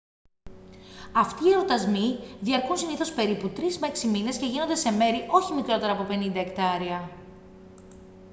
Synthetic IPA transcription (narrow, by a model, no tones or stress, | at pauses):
ɐft̪iːeɾot̪ɐzmiðiɐɾkunsiniθo̞spe̞ɾiput̪ɾizmeksimine̞sce̞ʝinond̪e̞se̞me̞ɾiʔo̞çimikɾo̞t̪e̞ɾɐpo̞pe̞nind̪ɐekt̪ɐɾiɐ